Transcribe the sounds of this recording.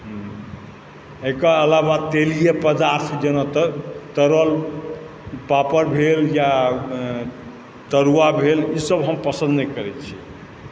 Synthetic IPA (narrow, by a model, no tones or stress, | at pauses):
ɦ | ekəəlaβat̪elijepəd̪aɾt̪ʰd͡ʒənɔt̪t̪əɾəl | papəɾbʱelja | t̪əɾuwabʱelisəbɦəmpəsənd̪nɛkəɾɛt̪t͡ʃʰi